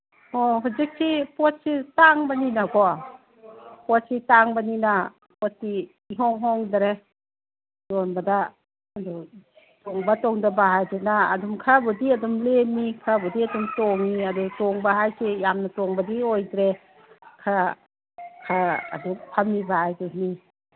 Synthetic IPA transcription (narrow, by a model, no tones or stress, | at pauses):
ɔɦuzik̚sʰipɔt̚sitaŋbaninaɡɔ | pɔt̚sitaŋbanina | pɔt̚siː | ɦɔŋɦɔŋdaɾe | dɔnbadaː | dɔ | tɔŋbatɔŋdabaɦajdena̰ːdumkʰabɔdiadumlemikʰabɔdiadumtɔŋiadutɔŋbaɦajsʰijamnatɔŋbadiojdɾe | kʰa | kʰa̰ːdupʰamːibaajduni